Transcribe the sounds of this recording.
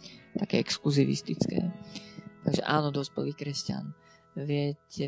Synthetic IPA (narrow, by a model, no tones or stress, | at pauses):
t̪akɛːɛkskluziʋḭst̪it͡skɛ̰ːt̪aɡʒɛ̰ʔaːnɔd̪ɔspɛ̰liːkɾɛsca̰n | ʋɪɛcɛ